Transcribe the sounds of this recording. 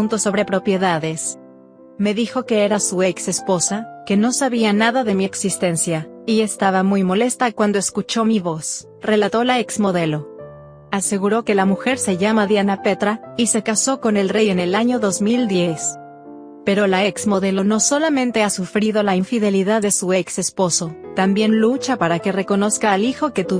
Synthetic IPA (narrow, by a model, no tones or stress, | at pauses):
unt̪oso̞βɾe̞pɾo̞pje̞ðaðe̞s | me̞ðixo̞ke̞e̞ɾasuekse̞spo̞sake̞no̞saβianaðaðe̞mieksist̪e̞nsjaie̞st̪aβamujmo̞le̞st̪akwand̪oeskut͡ʃo̞miβo̞s | re̞lat̪o̞laeksmo̞ðe̞lo̞ | ase̞ɣuɾo̞ke̞lamuxe̞ɾse̞ʝamaðjanape̞t̪ɾaise̞kaso̞ko̞ne̞lreje̞ne̞laɲo̞ðo̞zmild̪je̞s | pe̞ɾo̞laeksmo̞ð̞e̞lo̞no̞so̞lamẽnt̪e̞asufɾið̞o̞laiɱfiðe̞liðaððe̞sueekse̞spo̞so̞t̪ambje̞nlut͡ʃapaɾake̞re̞ko̞no̞skaːlixo̞ke̞t̪u